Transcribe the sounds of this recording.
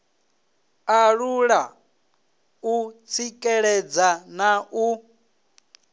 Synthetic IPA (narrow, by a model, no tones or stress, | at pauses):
aɺuɺa | ut͡sʰikʼɛɺɛd͡zanaʔu